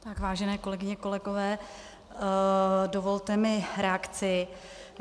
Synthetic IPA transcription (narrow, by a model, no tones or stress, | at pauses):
t̪akvaːʒɛnɛːko̞lɛɡɪɲɛko̞lɛɡo̞vɛː | do̞vo̞lt̪ɛmɪɾɛakt͡sɪ